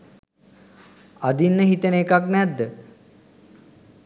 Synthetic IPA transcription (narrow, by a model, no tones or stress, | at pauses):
ad̪inːəɦit̪əneːkaknɛd̪ːə